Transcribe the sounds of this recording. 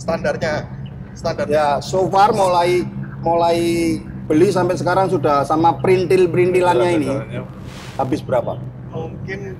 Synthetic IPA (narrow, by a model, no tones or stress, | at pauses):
sə̥t̪andart̪̚ɲa | st̪andarjasofarmolaimolaib̥əlis̬ampɛsəkaɾaŋsudahsamapəɾint̪ɪlpəɾint̪ilanɲaini | habɪsbəɾapa̰ | kɪn